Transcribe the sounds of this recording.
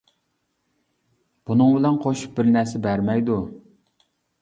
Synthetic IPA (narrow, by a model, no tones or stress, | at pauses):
b̥unɨŋbɪlɛnqʰoʃu̥p̚bɪɾnæɾsɪbæɾmɛjd̪u